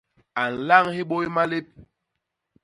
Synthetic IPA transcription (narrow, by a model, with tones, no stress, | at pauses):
a˨n̩˨la˦˨ŋhi˦ɓo˦jma˦le˦p̚